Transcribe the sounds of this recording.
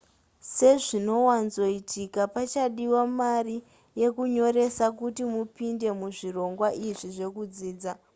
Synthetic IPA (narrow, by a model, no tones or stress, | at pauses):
se̞ʐino̞wanzo̞itʰikapat͡ʃaɗiwamari | je̞kuɲo̞ɾe̞sakutimupinde̞muʐiro̞ŋɡwaʔiʐiʐe̞kud͡ziːd͡za